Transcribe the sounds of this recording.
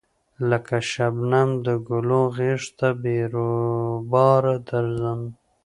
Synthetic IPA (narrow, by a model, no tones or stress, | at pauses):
ləkaʃabnamd̪əɡʊlõɣeʂt̪abeɾobɑɾad̪aɾzəm